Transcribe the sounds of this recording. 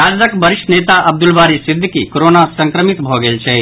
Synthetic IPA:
aːzəkbɐɾɪʃʈneːt̪aʔɐb̚d̪ulbaːɾisid̪ʱːəkikoɾoːnasɐ̃ŋkɾəmit̪bʱoɡelt͡ʃʰeː

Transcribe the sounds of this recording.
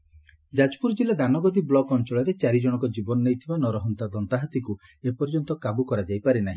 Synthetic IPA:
d͡ʒad͡ʒpuɾd͡ʒilad̪anɔɡɔd̪iblɔɡɔnt͡ʃɔɭɔɾet͡ʃaɾid͡ʒɔɽ̃ɔkɔd͡ʒibɔnɔnejt̪ʰibanɔɾɔɦɔnt̪ad̪ɔnt̪aɦat̪iku | epɔɾd͡ʒɔnt̪ɔkabukɔɾad͡ʒajpaɾenaɦĩ

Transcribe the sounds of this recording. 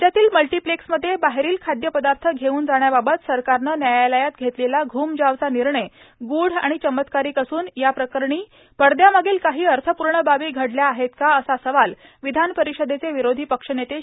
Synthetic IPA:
t͡ɕjat̪iːlməlʈiːpleksməd̪ʱːjebaɦeɾiːlkʰad̪jəpəd̪aɾt̪ʰəɡʱeuːnd͡zaɳ̃jababət̪səɾkaɾnənjajaləjat̪ɡʱet̪lelaɡʱuːmd͡ʑaʋt͡saniɾɳe | ɡuːɽ̤a̰ɽ̃it͡ɕəmːət̪kaɾiːkəsuːnjapɾəkəɾɳ̃iː | pəɽd̪jamaɡeːlkaɦiːəɾt̪ʰəpuɾɳəbaʋiːɡʱəɽljaːɦet̪kaəsasəʋal | ʋid̪ʱanpəɾiʂəd̪ʱet͡seʋiɾod̪ʱiːpəkʂənjet̪e

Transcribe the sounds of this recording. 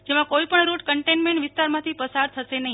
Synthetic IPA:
d͡ʒemãkoipəɳɾuʈkəɳʈenmẽɳʈʋɪst̪aɾmãt̪ʰipəsaɾt̪ʰəʃenəɦĩ

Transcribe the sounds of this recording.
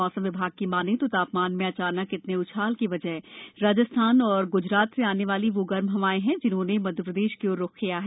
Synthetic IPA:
ɔːsə̃mʋɪbʱaːɡ̚kimaːnẽt̪ot̪aːpmaːnmẽɐt͡ʃaːnəkɪt̪neʊt͡ʃʰaːlkiʋɐd͡ʒəɦɾaːd͡ʒəst̪ʰaːnɔːɾɡʊd͡ʒɾaːt̪seaːneʋaːliʋoɡɐɾmɦɐʋaːẽɦɛ̃d͡ʒɪnɦõːnemɐd̪ʱjəpɾəd̪eːʃkeoːɾːoːkʰkijaɦɛː

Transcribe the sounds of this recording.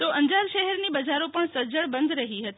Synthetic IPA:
t̪oʔəɲd͡ʒaɾʃɛɦɛɾnibəd͡ʒaɾopəɳsəɾd͡ʒəɭbənd̪ɾəɦiɦət̪i

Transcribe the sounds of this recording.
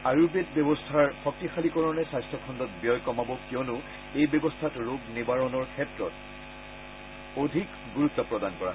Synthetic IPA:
aɹubetbjɔbɔstʰaɹxɔk̚tixalikɔɹɔnɛsajstʰɔkʰɔndɔt̚bjɔjkɔmabɔkiɔnʊ | ejbɔbɔstʰatɹoɡnibaɹɔnɔɹkʰɛtɹɔt | odʱik | ɡuɹutːɔpɹɔdankɔɹa̰

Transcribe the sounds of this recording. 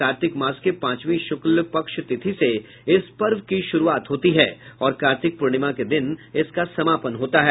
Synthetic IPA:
aːɾt̪ɪkmãːskepãːt͡ʃʋĩʃʊklpɐkʃt̪ɪt̪ʰise | ɪspɐɾʋkiʃʊɾuaːt̪ɦoːt̪iɦɛːɔːɾkaːɾt̪ɪk̚pʊɾɽ̃ɪmaked̪ɪnɪskasɐmaːpənɦoːt̪aɦɛː

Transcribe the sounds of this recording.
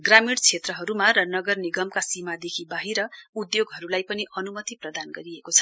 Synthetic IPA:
ɡramiɽt͡sʰet̪rʌɦʌɾumaɾʌnʌɡʌrniɡʌmkasimad̪ekʰibaɦiɾʌud̪joɡɦʌɾulajpʌniʔʌnumʌt̪iprʌd̪anɡʌɾiekot͡sʰʌ̥

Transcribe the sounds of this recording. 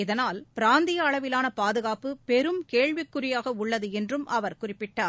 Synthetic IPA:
ɪðɐnaːlpɪɾaːnd̪ɪjɐːɭɐʋɪlaːnɐpaːðɯɣaːpɯpɛɾɯmkeːɻʋɪkːɯrɪjaːɣɐʊɭːɐðɯɛndrɯmʔɐʋɐɾkʊrɪpːɪʈːaː

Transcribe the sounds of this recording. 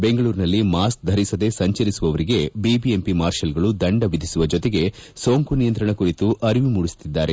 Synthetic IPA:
be̞ŋɡɐɭuːɾinɐlːimaːsk̚d̪ʱɐɾisɐd̪e̞sɐɲt͡ʃɐɾisuʋɐʋɐɾiɡe̞bibiempimaːɾʃɐlɡɐɭud̪ɐɳɖɐʋid̪ʱisuʋɐd͡ʒɔt̪eɡe̞ | so̞ːŋkunijɐnt̪ɾɐɳɐkuɾit̪uʔɐɾiʋimuːɽist̪id̪ːaːɾe

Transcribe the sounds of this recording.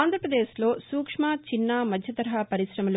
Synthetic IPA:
aːnd̪ʱɾɐpɾɐd̪eːslo̞ːsuːkʂmaːt͡ʃinːaːmɐd̪ʱjɐt̪ɐɾɐɦɐpɐɾisɾɐmɐlu

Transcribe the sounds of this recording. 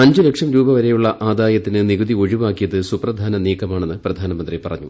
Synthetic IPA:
ɐɲd͡ʑɨlekʂɐmɾuːbɐʋɐɾejuɭːɐʔaːd̪aːjɐt̪ːinɨniɣuðio̞ɻiʋaːkːijɐðɨsuprɐd̪ʱaːnɐniːkʰːɐmaːɳe̞nːɨprɐd̪ʱaːnɐmɐnd̪ripɐrɐɲːu

